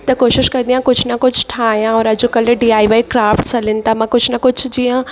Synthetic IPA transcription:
t̪ɐkoːʃɪʃkɐ̃d̪ijãkʊd͡ʑʱnɐkʊd͡ʑʱʈʰaːɦjãɔːɾɐd͡ʑokɐlɪɖiːaːiʋaːikɾaːfʈsɐlɪnɪ̆t̪amãkʊd͡ʑʱnɐkʊd͡ʑʱʊd͡ʑiːjã

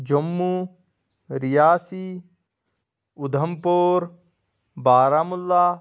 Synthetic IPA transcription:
d͡ʒɐmːu | ɾijaːsi | ʊd̪ʱɐmpoːɾ | baːɾaːmʊlːaː

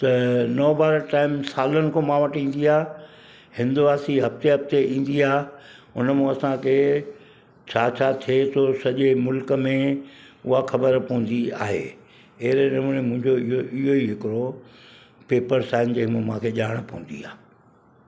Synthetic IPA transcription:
t̪ɐnɔːbaːɾəɾʈaːɪmsaːlənɪ̆kʰõːmãʋɐʈĩːn̆d̪iaː | hɪ̃nd̪uʋaːsiɦɐft̪eɦɐft̪eĩːn̆d̪iaː | ʊnəmẽɐsãkʰe | t͡ɕʰaːt͡ɕʰaːt̪ʰiet̪ʰosɐʄemʊlkə̆mẽ | ʊɦaxɐbəɾpɐə̃n̆d̪ia̰ːɦḛː | eɦɪɾeɗɐməɽ̃emʊ̃ɦɪ̃ɲd͡ʑoɪɦoʔɪɦoiɦɪkɪɾo | peːpəɾsaːɪnd͡ʑeːɦmõmãːkʰeʄaːɽ̃pɐɦṵ̃n̆d̪ḭaː

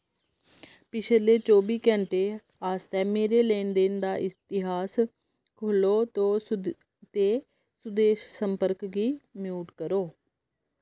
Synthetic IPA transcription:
pɪt͡ʃʰleːt͡ʃoːbiːkɛ̃ːɳʈeː | aːst̪ɛːmeːɾeːleːnd̪eːnd̪aːʔɪt̪ɪɦaːs | kʰʊloːt̪õː | t̪eː | sʊd̪eːʃsəmpəɾkɡiːmjuːʈkəɾoː

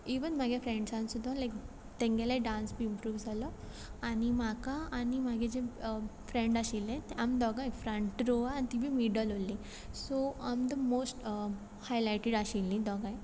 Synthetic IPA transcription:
iʋənm̤aɡefɾẽɳɖsãnsud̪ʱːãlajk | t̪ẽŋɡɛlaiɖãnsbiimpɾuːʋd͡zʱalɔ | animakaanimaɡed͡ʑefɾẽɳɖaɕilːẽt̪ɛamd̪ɔɡãjfɾəɳʈɾoʋaant̪ibʱiːmiɖəlɦolːi | soamd̪əmosʈ | hajlajʈeɽaɕilːĩd̪ɔɡãj

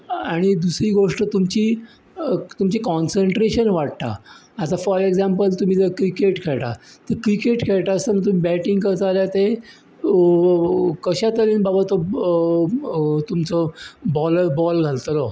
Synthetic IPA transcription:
aɽ̃id̪usɾiːɡoʂʈət̪umt͡ɕiː | t̪umt͡ɕikɔnseɳʈɾeɕənʋaʈt̪a̰ːt̪afəɾeɡd͡zampəlt̪um̤iːd͡z̪əkɾikeʈkʰeɭʈ̪a̰t̪əkɾikeʈkʰeɭʈ̪aəst̪ənit̪̬um̤iːbæʈĩŋɡkəɾt̪aljat̪e | kəɕat̪əɾenbabat̪o | t̪umt͡sɔbɔləɾbɔlɡʱalt̪əlɔ

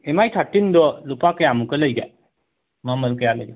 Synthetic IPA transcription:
emajʈ̪ʰaʈːind̪ɔlupakəjamukələjɡa̰ | maməlkəjalə̰ɡa

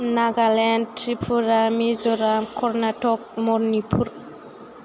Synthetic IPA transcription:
naɡalɛntɾipʰuɾamizɔɾamkʰɔɾnatʰɔk̚mɔɾnipʰuɾ

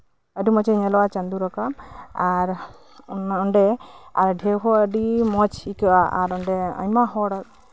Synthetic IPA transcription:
əɖimɔt͡ʃeɲɛlɔwat͡ʃand̪uɾakamaɾ | nɔɳɖɛaɾɖʱewɦɔəɖimɔt͡ʃikɯʔaʔa̰ɾɔɳɖɛɔ̰ɲmaɦɔɽat̪̚

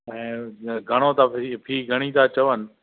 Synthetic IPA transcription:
ɛ̃ːɡʱɐɽ̃ot̪ʰapʰiːɡʱɐɽ̃it̪ʰaːt͡ɕɐʋənɪ̆

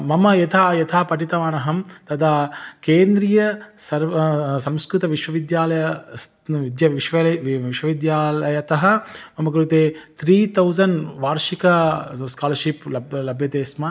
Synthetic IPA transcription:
mɐmɐjɐt̪ʰaːjɐt̪ʰaːpɐʈit̪ɐʋaːnɐɦɐmt̪ɐt̪ʰaːkeːnd̪ɾijɐsɐɾsɐ̃mskɾut̪ɐʋiʃʋɐʋid̪jaːlɐjɐ | ʋid̪jɐʋiʃʋɐʋiʃʋɐʋid̪jaːlɐjɐt̪ɐɦɐ̆mɐmɐkɾut̪eːt̪ʰɾiːt̪ɐwzɐnʋaːɾʃikɐskaːlɐʃiplɐblɐbʱjɐt̪eːsmɐ

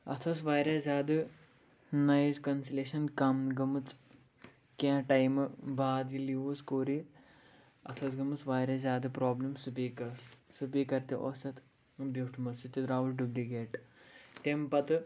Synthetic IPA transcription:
ɐ̰t̪ʰɐs̬ʋaːjɾɐzaːd̪ɨ | nɐjzkɐnsileːʃɐnkɐmɡɐmɨt͡s | kãːʈɐjmɨbaːd̪jiliuːskoːɾi | ɐ̰t̪ʰɐsɡɐmɨt͡sʋaːjɾɐzʲaːd̪ɨpɾoːblɐmsupiːkɐssupiːkɐɾt̪iʔoːsɐt̪ | bjuʈʰmɐt͡sit̪id̪ɾaːʋulɖuɡɾiɡeːʈt̪empɐt̪ɨ

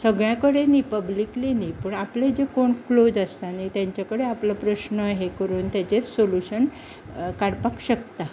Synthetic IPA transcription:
səɡɭjãkəɽeniːpəblikliniːpəɳapled͡ʑekoɳklod͡zəst̪anit̪jaɲt͡ɕakəɽeapləpɾəɕnəɦekəɾuːnt̪jat͡ɕesoluɕən | kaɽpakɕəkt̪a

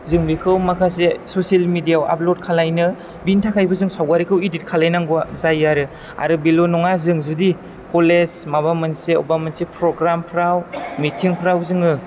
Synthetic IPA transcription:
zɯŋbikʰɯwmakʰas̬esoselmidijawʔa̰plod̚kʰalajnɯ | bintʰakʰajbɯzɯŋsawɡaɾikʰɯwidit̚kʰalajnaŋɡuazajːaɾɯ | a̰ɾɯbilonɔŋazɯŋzudi | kʰolesmaβamɯnseɔ̰bamɯnsepɾɔɡɾampʰɾawmitʰiŋpʰɾawzɯŋɯ

